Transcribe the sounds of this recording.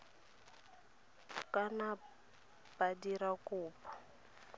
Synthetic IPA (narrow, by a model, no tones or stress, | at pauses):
kana | b̥adiɾakʊːpʰɔ̥